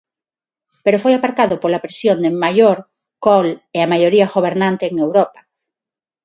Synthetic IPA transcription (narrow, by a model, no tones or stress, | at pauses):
peɾofojapaɾkaðʊpolapɾesjond̪emajoɾ | koleamajoɾiaɣoβeɾnãnt̪eːŋewɾopḁ